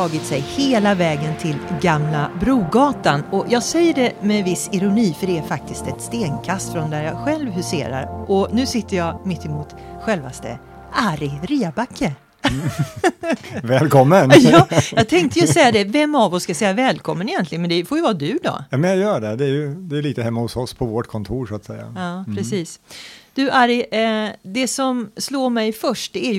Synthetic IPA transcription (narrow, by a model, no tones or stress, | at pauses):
ɑːɡɪt̪sɛjheːlavɛːɡənt̪ʰɪlɡamlabɾuːɡɑːt̪anɔjɑːɡsɛjːəɖɛmɛnvɪsːɪɾʊniːfœɖɛæɾfak̚t̪ʰɪst̪ɛt̪st̪eːnkʰast̪fɾɔnd̪æɾjɑːɧɛlvhɵsḛːɾa̰ɾʔɔnʉ̟ːsɪt̪ːəɾjɑːɡmɪt̪ːɪmuːt̪ɧɛlvast̪ə̰ | aɾɪɾiːabakʰːə | vɛːlkʰɔmːənjɑːjɑːɡ̚t̪ʰɛŋkt̪əjɵsɛjːad̪ɛvɛmːavɔsːkajsɛjːavɛːlkʰɔmːənɪjɛnt̪lɪɡənmɛnd̪ɛfɔɾjɵvɑːd̪ɵd̪ɔ̰jɑːmɛnjajœːɖɛd̪ɛæjɵd̪ɛːliːt̪əɦɛmːahʊsɔspʰɔvɔʈkʰɔnt̪ʰuːɾʂʊat̪sɛjːa̰ɑːpʰɾɛsiːsd̪̥ʉʔaɾɪ | d̪ɛsɔmsloːɾmɛjfœʂʈ̚d̪ɛæj